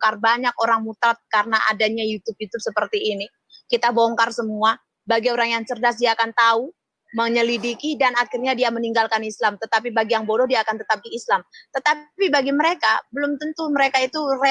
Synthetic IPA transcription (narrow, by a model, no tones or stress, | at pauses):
karbaɲakoɾaŋmut̪ɾat̪̚karənaʔa̰daɲajut̪up̚jut̪ub̚səpərt̪iːni | kit̪aboŋkarsəmua | baɡioɾaŋjaŋsərdas̬diaːkant̪au | məɲəlidikidanakɪrɲadiaməniŋɡalkanislamt̪ət̪ap̬ibaɡijaŋbodɔdiaːkant̪ət̪ap̚diːslamt̪ət̪apibaɡiməɾekabəlʊmt̪ənt̪uməɾekait̪ure